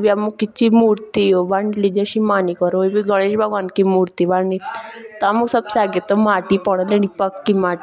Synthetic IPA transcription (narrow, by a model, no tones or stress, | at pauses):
biamukit͡ʃimuːɾt̪iobaɳɖlid͡ʒəʃimanikɔɾoibiɡəɽ̃eːʃbʱəɡaːnkimuɾt̪iʋait̪amusəbsaɡet̪ɔmaʈipɔɽ̃ə̃leñipəkːimaː